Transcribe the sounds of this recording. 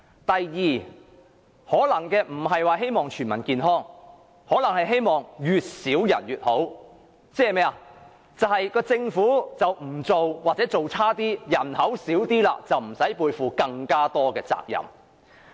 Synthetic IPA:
t̪ɐ˨jːiː˨˧ | hɔː˨˥lɐ˨˩ŋkɛː˧m̩˨˩ɦɐ˨jwaː˨˧ɦe˥jmɔː˨ŋt͡ʃʰyː˨˩nmɐ˨˩nkiː˨˧nɦɔː˥ŋ | hɔː˨˥lɐ˨˩ŋhɐ˨jɦe˥jmɔː˨ŋjyː˨t̚siː˨˥wjɐ̰˨˩njyː˨t̚ho˨˥w | t͡sɛː˥ɛ˨mɛː˥a˨ | t͡sɐ˨whɐ˨jkɔː˧t͡sɪ˧ŋfuː˨˥t͡sɐ˨wm̩˨˩t͡so˨wwaː˨t̚t͡sɛː˨˥t͡so˨wt͡sʰaː˥t̪iː˥jɐ˨˩nhɐ˨˥wsiː˨˥wt̪iː˥la̰ː˧t͡sɐ˨wm̩˨˩sɐ˨˥jpuː˧jfuː˨˧kɐ˧ŋkaː˥t̪ɔː˥kɛː˧t͡sa̰ː˧k̚jɐ̰˨˩m

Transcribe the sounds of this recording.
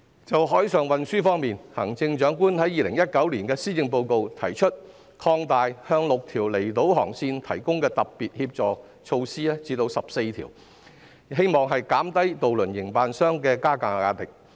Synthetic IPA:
t͡sɐ˨wɦɔː˨˥jsœː˨˧ŋwɐ˨nsyː˥fɔː˥ŋmiː˨nhɐː˨˩ŋt͡sɪ˧ŋt͡ʃœː˨˥ŋkuː˥nhɐ˨˥jːiː˨lɪ˨˩ŋjɐ˥t̚kɐ˨˥wliː˨˩nkɛː˧siː˥t͡sɪ˧ŋp̬o˧wko˨˧wt̪ʰɐ̰˨˩jt͡ʃʰɵ˥t̚ | kʰɔː˧ŋt̪aː˨jhœː˧ŋlʊ˨k̚t̪ʰiː˨˩wle˨˩jt̪o˨˥wɦɔ̰ː˨˩ŋsiː˧nt̪ʰɐ˨˩jkʊ˥ŋkɛː˧t̪ɐ˨p̚piː˨t̚hiː˧p̚t͡sɔː˨˩ | t͡ʃʰo˧wsiː˥ɛː˥t͡siː˨˥t̪o˧wsɐ˨p̚se˧jt̪ʰḭː˨˩w | he˥jmɔː˨ŋɦɐ˨jkaː˨˥mt̪ɐ˥jt̪o˨wlɵ˨˩njɪ˨˩ŋpaː˨˧nsœː˥ŋkɛː˧kaː˥kaː˨˧aː˧t̪ɪ˨k̚

